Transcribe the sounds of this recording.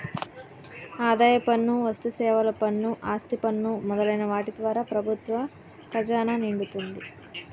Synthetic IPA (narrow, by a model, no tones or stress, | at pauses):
aːd̪aːjɐpɐnːuʋɐst̪usɛːʋɐlɐpɐnːuʔaːst̪ipɐnːumɔd̪ɐlɐjnɐʋaːʈid̪ʋaːɾaːpɾɐbʱut̪ʋɐ | kɐd͡ʒaːnaːniɳɖut̪und̪i